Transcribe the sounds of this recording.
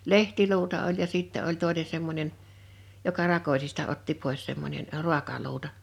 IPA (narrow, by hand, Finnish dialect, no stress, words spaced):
lehtiluːtɑ olʲ jɑ siˑtːæ olʲ toˑene semːonʲen jokɑ rɑkosistɑ otːi poˑes semːonʲen ə̆ ru̞ɑkɑluːtɑ